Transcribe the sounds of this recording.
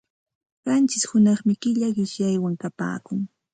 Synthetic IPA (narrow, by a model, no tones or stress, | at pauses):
ɢɑnt͡ʃɪshʊnɑχmɪkɪʎaɢɪʃjajwaŋkapa̰ːkʊŋ